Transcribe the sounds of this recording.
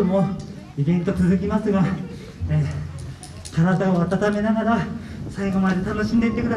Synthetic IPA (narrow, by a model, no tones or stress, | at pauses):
omo | ibẽ̞nt̪o̞t͡sɨzɨkʲimasɨɡa | e | kaɾat̪aoat̪at̪ame̞naɡaɾasaiɡo̞mad̪e̞t̪ano̞ɕĩnd̪eit̪ːekɯ̟d̪a